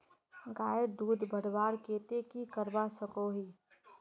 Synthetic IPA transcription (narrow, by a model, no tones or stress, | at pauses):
ɡaːəd̪uːd̪bʱəɽbaːɽkeːt̪ekikəɾbasəkoɦiː